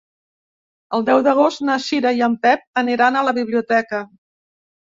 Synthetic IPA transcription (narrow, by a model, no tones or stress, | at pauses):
əlˠd̪ɛwd̪əɣ̞ost̪naʃiɾəiəmpɛp̚əniɾanələβiβ̞liut̪ɛkə